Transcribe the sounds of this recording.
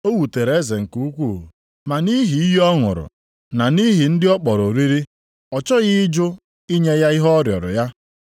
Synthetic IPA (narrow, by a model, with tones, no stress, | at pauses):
o˦wu˨te˨ɾe˦ze˨ŋ̩˨ku˦u˦kʷu˦˨ | ma˨ni˦ɦi˨i˦jɔ˦ŋʊ̰˨ɾʊ̰˨ | na˨ni˦ɦi˨n̩˦dɪ˦ɔ˦k͡pɔ˨ɾo˨ɾi˦ɾi˦ | ɔ˨t͡ʃɔ˦ɣɪ˦d͡ʒʊ˦ | i˦ɲe˦ja˦ɪ˦ɦɔ˦ɔ˦ɾjɔ̰˨ɾʊ̰˨ja˦